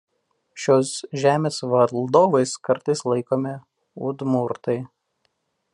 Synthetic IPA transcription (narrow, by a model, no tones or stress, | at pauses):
ʃʲoːsʒʲæːmʲeːsʋɐlˠd̪oːʋɐɪskɐɾt̪ɐɪslˠɐɪkoːmʲɪ | ʊ̰d̪mʊɾt̪ɐɪ